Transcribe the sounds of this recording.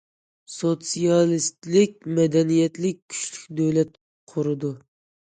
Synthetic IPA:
sot̪sijɑlˠist̪lɪkʲmɛd̪ɛnijɛt̪lɪkʲʰːy̥ʃlykʲd̪øwlɛt̪̚ | qʰʊɾɨd̪u

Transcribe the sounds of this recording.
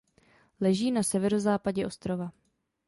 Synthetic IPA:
lɛʒiːnasɛvɛɾo̞zaːpaɟɛʔo̞st̪ɾo̞va

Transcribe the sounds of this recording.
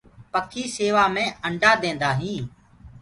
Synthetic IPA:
pəkʰiːseːʋaːmẽːəɳɖʱaːd̪ẽːnd̪aːɦĩː

